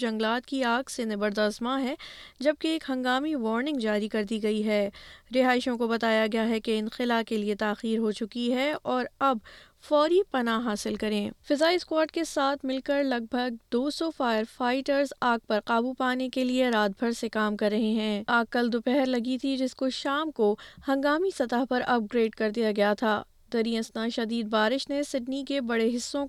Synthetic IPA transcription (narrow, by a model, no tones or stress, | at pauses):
d͡ʒɐ̃ŋɡlaːt̪kiaːɡsenɐbəɾd̪ɐsmaɦɛːd͡ʒɐb̚keeːkɦɐ̃ŋɡaːmiʋɔːɾnɪ̃ŋɡd͡ʒaːɾikɐɾd̪iɡɐiɦɛːɾɪɦaːɪʃõkobɐt̪aːjaɡɐjaɦɛkeɪnxɪlakeliet̪aːxiːɾɦot͡ʃʊkiɦɛɔːɾɐb | fɔːɾipɐnaɦaːsɪlkɐɾẽːfɪzaːiskwaːɾʈ̚kesaːt̪ʰmɪlkəɾlɐɡ̚bʱɐɡ̚d̪oːsɔfaːjəɾfaːɪʈəɾzaːɡ̚pɐɾqaːbupaːnekelieɾaːd̪̚bʱɐɾsekaːmkɐɾːɐɦeɦɛ̃aːɡkːɐld̪ʊpɛɦɛɾlɐɡit̪ʰid͡ʒɪskoʃaːmkohɐ̃ŋɡaːmisɐt̪aɦpɐɾɐp̚ɡɾeːɖkɐɾd̪ijaɡɐjat̪ʰaː | d̪ɐɾiə̃snaʃɐd̪iːd̪̚baːɾɪʃnesɪɖnikebɐɽeɦɪsːõ